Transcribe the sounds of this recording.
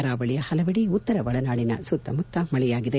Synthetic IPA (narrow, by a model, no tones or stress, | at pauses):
ɐɾaːbɐɭijɐhɐlɐʋɐɽiut̪ːɐɾɐbɐɭɐnaːɭinɐ̰sut̪ːɐ̰mut̪ʰːɐmɐɭɛjaːɡid̪e